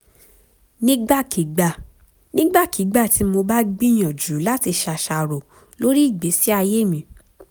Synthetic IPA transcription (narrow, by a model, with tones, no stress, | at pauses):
nĩ˦ɡ͡ba˦˨ki˨˦ɡ͡b | nĩ˦ɡ͡ba˦˨ki˨˦ɡ͡ba˦˨ti˨˦mo˧ba˦ɡ͡bi˦j̃ɔ̃˨d͡ʒu˨˦la˦ti˧ʃa˧ʃa˧˨ɾo˨ | lo˦ɾi˦i˦˨ɡ͡be˨˦si˦a˧je˦˨mĩ˧˦